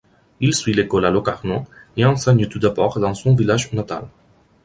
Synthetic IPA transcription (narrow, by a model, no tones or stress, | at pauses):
ilsɥilekɔlalɔkaʁnɔ̃ | eɑ̃sɛɲt̪ud̪abɔʁd̪ɑ̃sɔ̃vilaʒnat̪a̰l